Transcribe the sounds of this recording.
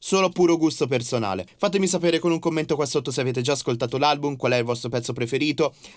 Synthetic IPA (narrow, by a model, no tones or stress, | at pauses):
soːloapːuːɾoɡust̪op̬ersona̰ːlḛfat̪̬emis̬apeːɾekonuŋkomːent̪okwasːot̪ːoseaveːt̪̬ed͡ʒaːskolt̪aːt̪olalbumkwalɛilvɔst̪ɾopɛt̪sːopɾefeɾiːt̪o